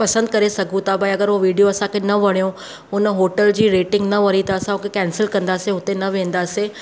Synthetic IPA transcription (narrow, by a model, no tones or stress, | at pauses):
pɐsə̃nd̪kɐɾesɐɡʱũt̪abʱaːiɐɡəɾʋoʋiːɖijoɐsãkʰenɐʋɐɽ̃jõ | ʊnəɦoːʈəld͡ʑiːɾeːʈɪ̃ŋɡnɐʋɐɾit̪ɐɐsãõkʰekɛːnsɪlkɐ̃nd̪aːseɦʊt̪enɐʋẽːn̆d̪aːseː